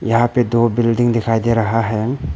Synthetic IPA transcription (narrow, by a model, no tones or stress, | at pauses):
jɐɦãped̪obɪlɖiŋd̪ɪkʰajd̪eɾɐɦaɦɛ